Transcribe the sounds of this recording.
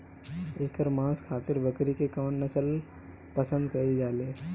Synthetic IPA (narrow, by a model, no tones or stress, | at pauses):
eːkəɾmãːskʰaːt̪ɪɾbɐkɾikekɔːnɐsəl | pɐsə̃nd̪kɐid͡ʒaːleː